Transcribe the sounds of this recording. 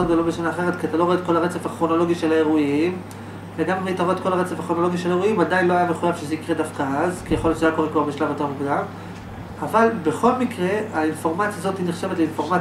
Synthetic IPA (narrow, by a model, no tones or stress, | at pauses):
ɡd̪olobeʃanaːχe̞ʁ̞et̪kiat̪alo̞oet̪̚ko̞laʁet͡sefaχʁo̞no̞lo̞ɡiʃelae̞ʁuim | veɡamait̪aʁo̞et̪̚ko̞laʁet͡sefaχʁo̞no̞lo̞ɡiʃelaeʁuimadajnlo̞ajameχujavʃezeikʁedafkaazkijaxoljott͡ʃeajakoekbobiʃlavot̪emukudaː | valbe̞χo̞lmikʁe̞ainfo̞ʁmat͡sjazo̞t̪hineχʃe̞vet̪leinfo̞ʁma